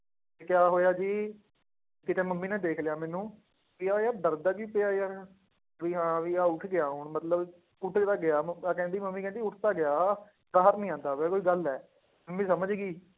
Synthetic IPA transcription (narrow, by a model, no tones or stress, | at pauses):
t̪eːkɪjaːɦoːjaːd͡ʒiː | kɪt̪ẽːməmːiːnãːd̪eːkʰlejaːmɛːnũː | ʋiːaːjaːd̪əɾd̪aːd͡ʒiːpɪaːjaː | ʋiːɦãːʋiːaːʊʈʰɡɪaːɦoɳmət̪ləb | ʊʈʰt̪aːɡɪaːəakɛ̃ːnd̪iːməmːiːkɛ̃ːnd̪iːʊʈʰt̪aːɡɪjaː | baːɦəɾnĩːãːnd̪aːʋɛːkoːiːɡəlɛː | məmːĩːsəməd͡ʒɡiː